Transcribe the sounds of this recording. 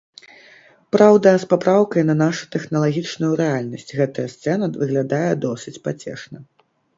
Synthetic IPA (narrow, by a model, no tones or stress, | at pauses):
pɾawd̪ɐspapɾawkɐjnɐnaʂu̥t̪ɛxnɐlˠaɣʲit͡ʂnujuɾɛalʲnɐsʲt͡sʲɣɛt̪ɐjɐst̪sɛnɐvɨɣlʲad̪ajɛd̪ɔsʲɨt͡sʲpat͡sʲɛ̰ʂnɐ